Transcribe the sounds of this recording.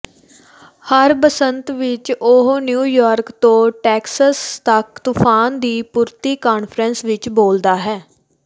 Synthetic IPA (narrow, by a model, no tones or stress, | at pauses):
həɾpəsənt̪ʋɪt͡ʃʊɦnjuːjaːɾkt̪õːʈɛːksəst̪əkt̪ʊpʰaːnd̪iːpʊɾt̪iːkaːnpʰɾə̃nsʋɪt͡ʃboːld̪aːɦɛː